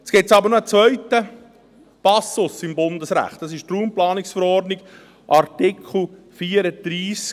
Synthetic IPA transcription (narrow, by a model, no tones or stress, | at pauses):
ɛt͡sɡ̥ɪsɑbəɾnoət͡svœʏtə | pɑsʊsɪmbʊndəsɾæ̰χt̚d̥ɑsɪʃtruːmplɑːnɪksfəɾɔrdnɪɡ | ʔɑɾtɪkʰl̩ | fiːəɾəd̪̥ɾiːsk